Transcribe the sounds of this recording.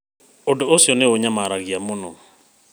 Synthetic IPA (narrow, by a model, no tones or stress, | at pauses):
odɔosjɔneoɲamaɾaɣiamonɔ